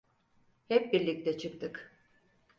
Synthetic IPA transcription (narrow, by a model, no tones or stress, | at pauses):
hɛp̚biɾlʲic̚t̪ʰɛt͡ʃʰɯk̚t̪ʰɯk